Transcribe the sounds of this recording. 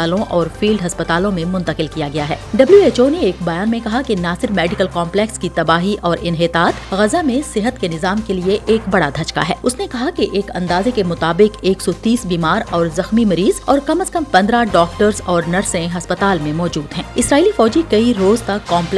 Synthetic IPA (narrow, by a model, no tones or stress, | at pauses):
aːlõʔɔːɾfiːlɖɦɐspɐt̪aːlõmẽmʊ̃nt̪əqɪlkijaɡɐjaɦɛ̰ːɖɐbljueːt͡ʃoːneːkbɐjaːnmẽkɐɦakenaːsɪɾmɛːɖɪkəlkɔ̃ːmplɛːkskit̪ɐbaːɦiʔʔɔːɾʔɪnɦɪt̪aːt̪ɣɐzamẽsɪɦət̪kenɪzaːmkelieʔeːkbɐɽad̪ʱɐt͡ʃka̰ɦɛ̰ːʊsnekɐɦakeʔeːkɐ̰̃nd̪aːzekemʊt̪aːbɪkeːksɔt̪iːsbiːmaːɾɔːɾzɐxmimɐɾiːzɔːɾkɐməskɐmpɐ̃nd̪ɾaɖɔːkʈəɾzɔːɾnɐɾsẽɦɐspɐt̪aːlmẽmɔːd͡ʒuːd̪ɦɛ̃ːɪsɾaːiːlifɔːd͡ʒikɐiɾoːzt̪ɐkːɔːmp